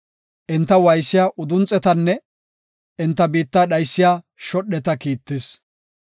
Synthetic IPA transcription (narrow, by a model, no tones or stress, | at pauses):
ʔɪnt̪ːɐwɐjsːɪjaːʔʊd̪ʊnt͡sʼːɛt̪ɐnːɛ | ɪnt̪ːɐbiːt̪ːaːɗɐjsːɪjaː | ʃɔɗːɛt̪ɐkiːt̪ːɪs